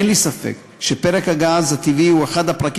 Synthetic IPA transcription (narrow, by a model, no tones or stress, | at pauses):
nlisafḛk | ʃepeʁekhaɡaːzhat̪iviueχad̪hapʁak